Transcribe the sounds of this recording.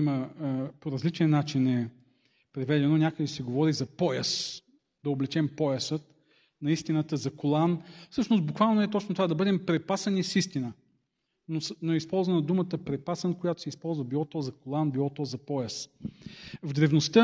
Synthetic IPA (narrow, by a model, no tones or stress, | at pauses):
iməpoɾɐzlit͡ʃɛnnat͡ʃinɛ | pɾɛvɛd̪ɛnonʲakəd̪ɛsɛɡovɔɾizɐpɔjəs | d̪ɐoblɛt͡ʃɛmpɔjəsət̪ | nɐist̪inət̪əzɐkolˠanfsɤʃnost̪bʊkvalˠnoɛt̪ɔt͡ʃnot̪ovad̪ɐbɤd̪ɛmpɾɛpasɐnisist̪inə | nosnoɛispɔlˠzvɐnɐd̪umət̪əpɾɛpasənkojat̪o̥sɛispɔlˠzvəbilˠɔt̪ɔzɐkolˠanbilˠɔt̪ɔzɐpɔjəs | vd̪ɾɛvnost̪ə